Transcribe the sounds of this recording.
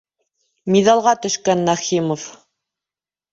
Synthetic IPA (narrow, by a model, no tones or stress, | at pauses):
miðɑlˠʁɑt̪ɵ̆ʃkænːæχimof